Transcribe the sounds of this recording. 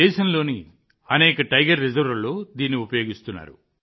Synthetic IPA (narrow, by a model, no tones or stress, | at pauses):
ɛːʃɐnlo̞ːni | ɐnɛːkɐʈɐjɡɐɾːizɐɾʋɐlːoːd̪iːnːiupɐjo̞ːɡist̪unːa̰ːɾṵ